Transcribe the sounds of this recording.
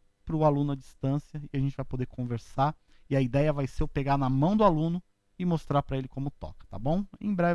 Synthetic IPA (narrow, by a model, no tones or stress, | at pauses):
pɾʊalũnʊɐd͡ʒist̪ɐ̃sjɐɪaʒẽnt͡ʃɪvajpod̪eɾkʰõveɾsaɾ | ɪɐid̪ɛjɐvajseʊpeɡaɾnɐmɐ̃w̃d̪ʊalũnʊ | ɪmost̪ɾaɾpɾɐelɪkõmʊt̪ɔ̰kɐ̥t̪a̰bõw̃ḛ̃j̃bɾɛ